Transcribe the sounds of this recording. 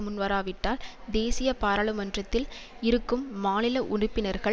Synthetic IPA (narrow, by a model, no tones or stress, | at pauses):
mʊnʋɐɾaːʋɪʈːaːld̪eːsɪjɐpaːɾaɭɯmɐndrɐt̪ːɪlɪɾɯkːɯmːaːnɪlɐʔʊɳɪpːɪnɐɾɣɐ